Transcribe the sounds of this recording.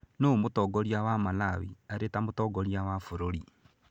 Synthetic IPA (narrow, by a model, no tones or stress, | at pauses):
nomotɔɡɔɾiawamalawḭaɾetamotɔɡɔɾiawafoɾoɾi